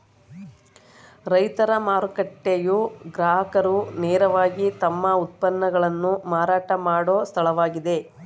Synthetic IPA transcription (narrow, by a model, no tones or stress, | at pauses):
ɾɐjt̪ɐɾɐmaːɾukɐʈːejuɡɾaːɦɐkɐɾuneːɾɐʋaːɡit̪ɐmːɐut̪̚pɐnːɐɡɐɭɐnːumaːɾaːʈɐmaːɽoːst̪ʰɐɭɐʋaːɡid̪e̞